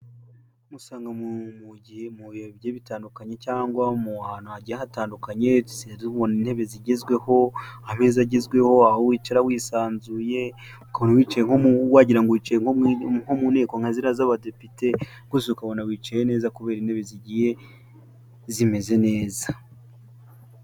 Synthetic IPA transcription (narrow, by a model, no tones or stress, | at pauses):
musaːŋɡamummuoβjeβitaːndukaɲe̞caːŋɡwamuhaːn̥huhaɟijeɦataːndukaɲe̞seuβonin̥he̞βe̞ziɟezɡwe̞ho̞ahamezaɟezɡwe̞ho̞ahowiːt͡ʃaɾawiːsaːnzuje̞ | ukaβonawiːt͡ʃajeŋhouwaːɟiɾaŋɡoit͡ʃajeŋoŋhomune̞ːkoŋ̥aziɾazaβade̞pite̞ | ŋɡusiukaβo̞nawiːt͡ʃajene̞ːzakuβe̞ːɾinhe̞βe̞ziɟije̞ | zime̞ze̞ne̞ːza